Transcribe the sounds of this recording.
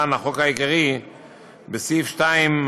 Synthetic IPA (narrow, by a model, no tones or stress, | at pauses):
anaχokajikaʁi | besifʃtaim